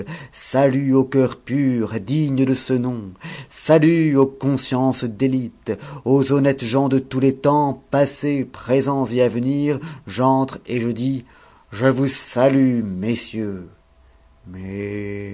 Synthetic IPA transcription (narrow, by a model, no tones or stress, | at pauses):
salyokʲœʁpyʁd̪iɲd̪əsənɔ̃salyokɔ̃sjɑ̃sd̪elit̪ozɔnɛt̪ʒɑ̃d̪ət̪ulet̪ɑ̃pasepχezɑ̃zeavəniːʁʒɑ̃t̪χeʒəd̪i | ʒəvusalymesjø | mɛ